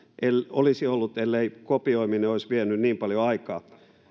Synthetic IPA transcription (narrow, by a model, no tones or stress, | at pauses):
ʔelo̰lisiolːut̪elːeikopioimineoisʋienynniːmpɑljoɑikɑː